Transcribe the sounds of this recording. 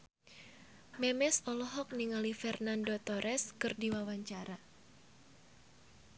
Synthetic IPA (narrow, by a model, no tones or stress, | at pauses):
mɛmɛsɔlɔɦɔk̚niŋalifɛrnandot̪ɔɾʔɛskɨrdiwawaɲt͡ʃaɾa